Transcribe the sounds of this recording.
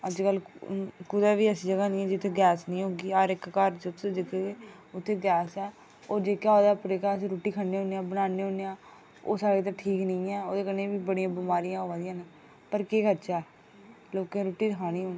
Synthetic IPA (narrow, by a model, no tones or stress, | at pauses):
əd͡ʒkəlkʊd̪aːʋiːəsĩːd͡ʒəɡaːnĩːɛ̃ːd͡ʒɪt̪ʰːeːɡɛːsnəĩːɦoːɡiːaːɾɪkkaɾd͡ʒʊd͡ʒɪk̪ʰeeː | ʊt̪ʰːeːɡɛːsɛː | oːd͡ʒeːkaːoːd̪aːpɾeːkaːəs̬ĩːɾoːʈiːkʰəeːɦõːneãːbənaːneːɦõːneãː | o̰ːsaːɾeːt̪̬ãːʈʰiːknəĩːɛːoːd̪eːkəneːʋiːbəɽijãːbɪmaːɾijãːɦoːʋãːd̪ijãːne | pəɾkeːkəɾt͡ʃaːɛː | loːkẽːɾoːʈiːɾɪkʰaːniːɦoːnː